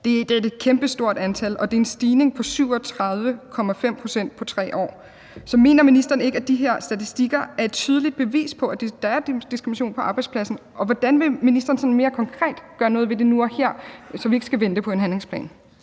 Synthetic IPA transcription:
d̥e̝d̥ee̝d̥̚kʰemb̥əsd̥o̝ɐ̰d̥ænt͡sʰælɒ̽d̥e̝ensd̥iːne̝ŋpʰɒ̽syʊ̰ɒ̽t͡sʰʁɑ̈ð̞ˠʋəkʰɒ̽mæfem̰pʰʁo̝sen̰d̥̚pʰɒ̽t͡sʰʁɛ̰ːʔɒ̰ː | sɒ̽me̝̰ːnɐminisd̥ɐn̩e̝ɡ̥æd̥iɦeɐ̰sd̥æt͡sʰisd̥iɡ̥ɐæɐe̝d̥t͡sʰyːð̞ˠəlid̥̚b̥e̝ʋḭːspʰɒ̽æd̥ed̥ɑ̈æɐd̥isɡ̥ʁimnæɕo̝̰ːnpʰɒ̽ʔɑ̈ːb̥ɑ̈ɪdspʰlæsn̩ʔɒ̽ʋɒd̥ænʋe̝minisd̥ɐːn̩sɒ̽n̩me̝ːɐkʰɒ̽ŋkʰʁɛ̰ːd̥ɡ̥ɶːɐnɔ̽ð̞̩ˠʋe̝de̝nuɒheɐ̰sɒ̽ʋie̝ɡ̥əsɡ̥æʋend̥əpʰɒ̽e̝nɦænle̝ŋspʰlɛ̰ːn

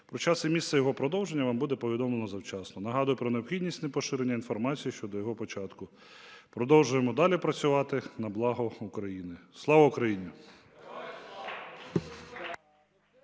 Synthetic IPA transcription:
pɾɔt͡ʃɑsimʲist̪sɛjɔɦɔpɾɔd̪ɔwʒenʲːɐʋɑmbud̪ɛpɔʋʲid̪ɔmlˠenɔzɐwt͡ʃɑsnɔnɐɦɑd̪ʊjʊpɾɔneɔpxʲidʲnʲisʲtʲnepɔʃɪɾenʲːɐinfɔrmɑt͡sʲijiʃt͡ʃɔd̪ɔjɔɦɔpɔt͡ʃɑt̪kʊ | pɾɔd̪ɔwʒʊjemɔd̪ɑlʲipɾɐt͡sʲʊʋɑt̪ɪnɐblˠɑɦɔukɾɐjinɪslˠɑʋɐukɾɐjinʲi

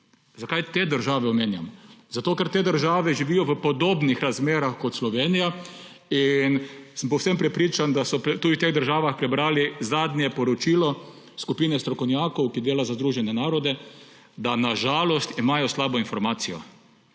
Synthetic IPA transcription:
zakajt̪eːd̪əɾʒaːʋɛɔmeːnja̰mɔzat̪oːkɛɾt̪eːd̪əɾʒaːʋɛʒiʋijɔʋəpɔd̪oːbnixɾazmeːɾaxkɔt̪slɔʋeːnija | insəmpɔwsempɾɛpɾiːt͡ʃand̪asɔt̪ud̪it̪eːɣd̪əɾʒaːʋaxpɾɛbɾaːlizaːd̪nʲjɛpɔɾɔt͡ʃilɔ | skupiːnɛst̪ɾɔkɔwnjaːkɔwkid̪eːlazazd̪ɾuːʒɛnɛnaːɾɔd̪ɛ | d̪anaʒaːlɔst̪imaːjɔslaːbɔinfɔɾmaːt̪sijɔ̰

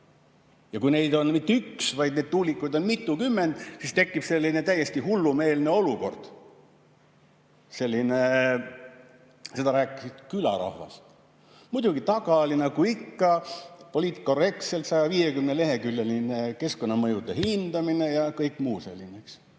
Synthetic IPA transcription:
jɑkujne̞jd̪o̞nmit̪ːeyksvɑjd̪̥̚ned̪̚t̪uːlikːˑujd̪o̞nmit̪ːˑukymːe̞nd̪̥sist̪e̞kːib̥selʲːinet̪æje̞st̪ihulːume̞ːlne̞o̞luko̞̰rd̪̥ | se̞lʲːine | se̞d̪ɑɾæːkːˑisid̪̥kylɑ̰ɾɑ̰hvɑ̰st̪ | mud̪̥uɡit̪ɑɡ̥ɑlʲinɑkuikːɑpo̞lʲiːt̪kːo̞re̞k̚t̪se̞lt̪sɑjɑviːje̞kymnele̞ɦe̞kylːelineke̞sko̞nːɑmɤjud̪ehind̪̥ɑmine̞jɑkɤjkːˑmuːse̞̰lʲːineks

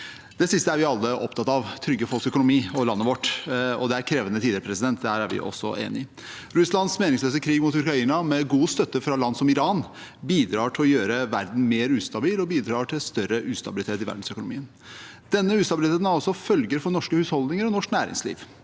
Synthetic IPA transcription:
d̪ɛsɪst̪əæɾʋɪɑlːəʔɔpt̪ʰɑt̪ːɑʋt̪ʰɾʏɡːəfɔlksœkʊnʊmiːɔlɑnːəʋɔʈːɔ̰d̪ɛæɾkʰɾeːʋənət̪ʰiːd̪əɾəpɾɛsɪd̪ɛnt̪̚d̪hæːɾæɾʋɪ̰ʔɔ̰sːɔ̰ʔḛːnɪ | ɾʉslɑnsmeːnɪŋsløːs̬əkʰɾiːɡmʊt̪ʉɾkɾɑiːnɑmɛɡuːst̪œt̪ːəfɾɑlɑnd̪sɔmɪɾɑːnbiːd̪ɾɑːʈʰɪlɔjøːɾəʋæɾd̪n̩meːɾʉːst̪ɑbiːlɔbiːd̪ɾɑːʈʰɪlst̪œɾəʔʉːst̪ɑbɪlɪt̪ʰeːt̪ɪʋæ̰ɖɳ̩sœkʊnʊmiːən | d̪̥ɛnːəʉːst̪ɑbɪlɪt̪ʰeːt̪nɑlsɔfœlɡəɾfɔɳɔʂkəhʉːshɔld̪nɪŋəɾɔnɔʂknæːɾɪ̰ŋslḭːʋ

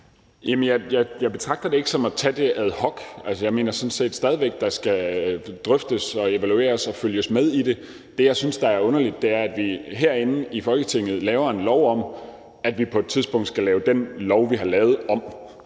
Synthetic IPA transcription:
jæmənjɑɪjɑ̈ɪjɑɪb̥e̝t͡sʰʁɑ̈ɡ̥̚d̥ɐde̝e̝ɡ̥əsɒ̽mæt͡sʰæd̥e̝æð̞ˠhɒ̽ɡ̥ælsəjɑ̈ɪme̝̰ːnɐsɒ̽n̩se̝̰ːd̥sd̥ɛːð̞ˠiʋeɡ̥̚d̥ɑ̈sɡ̥æd̥ʁœfd̥əsɒ̽e̝ʋælue̝̰ːɐsɒ̽føljəsmeð̞ˠid̥e̝ | d̥e̝jɑ̈ɪsynsd̥ɑ̈æɐɔ̽nɐlid̥̚ːe̝æɐæd̥ʋiɦeɐ̰e̝nn̩ifɒ̽lɡ̥ət͡sʰe̝ŋ̰ð̞̩ˠlɛːʊɐe̝nlɒʊɒ̽m | æd̥ʋipʰɒ̽e̝d̥̚t͡sʰiðˠsb̥ɔ̽ŋ̰d̥sɡ̥ælɛːʊd̥enlɒʊʋiɦɑ̈lɛːʊð̞̩ˠɒ̽m

